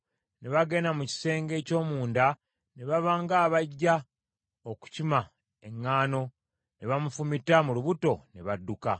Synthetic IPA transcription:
ne̞βaɡe̞namuci̥se̞ːŋɡe̞ːco̞ːmuːnda | ne̞βaβaːŋɡaːβaɟːa | oku̥cima | e̞ŋːaːno̞ | ne̞βamufumitamuluβuto̞ne̞βadːuka̰

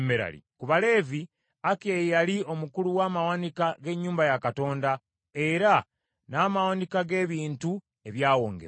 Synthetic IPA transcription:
meɾa̰lḭkuβale̞ːvi | akejjalio̞mukuluwaːmawanikaɡe̞ɲːuːmbajakato̞ːnda | e̞ɾa | naːmawanikaɡe̞ːβiːntu | e̞βjaːwo̞ːŋɡḛ

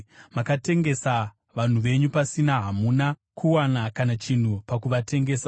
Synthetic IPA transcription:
makate̞ŋɡe̞sa | ʋan̤uʋe̞ɲupasinaɦamuna | kʰuwanakanat͡ʃin̤upakuʋatʰe̞ŋɡe̞ːsa

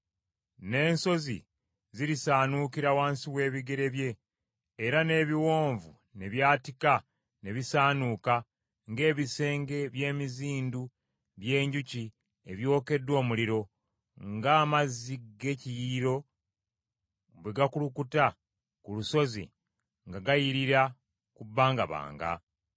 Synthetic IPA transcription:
ne̞ːnso̞zḭ | ziɾisaːnukiɾawaːnsiwe̞ːβiɡe̞ɾe̞βje̞ː | ɾane̞ːβiwo̞ːɱvu | ne̞βjaːtika | ne̞βisaːnuːka | ŋɡe̞ːβise̞ːŋɡe̞βje̞ːmiziːndu | βje̞ːɲɟuci | eβjo̞ːke̞dwo̞ːmuliɾo̞ | ŋɡaːmaziɡe̞cijiɾo̞ | βweɡakulukuta | kuluso̞zḭ | ŋɡaɡajiɾiɾa | kubːaːŋɡa̰βa̰ːŋɡa̰

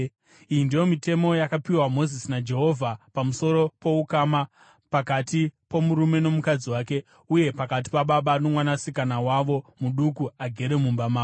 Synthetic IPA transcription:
ijindijo̞mite̞mo̞jakapiwamo̞zisinad͡ʒe̞ɦo̞vʱapamuso̞ɾo̞po̞ukama | pakatipo̞muɾume̞no̞mukad͡ziwaːke̞ | uje̞pakat̬i̥paɓaɓano̞mwanasikanawaʋo̞muɗukuaɡʱe̞ɾe̞mumbamaː

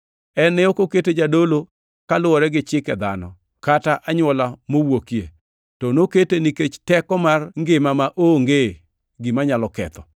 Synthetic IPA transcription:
ɛnɛokoketed͡ʒadolo | kalʊɔɾɛɡɪt͡ʃɪkɛd̪anɔ̰ | kataʔaɲwɔlamowokiḛ | tɔnoketeniket͡ʃtɛkɔmarŋɡɪmamaʔoŋɡe | ɡimaɲalɔkɛ̰t̪ɔ

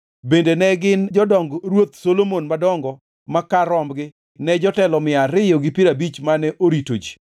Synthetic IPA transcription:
bendenɛɡɪnd͡ʒɔdɔŋɡɾwot̪̚solomonmadɔŋɡɔ | makaɾɔmbɡɪ | nɛd͡ʒɔtɛlɔmɪaɾɪjoɡɪpɪɾabit͡ʃmanɛʔoɾito̰d͡ʒi̥

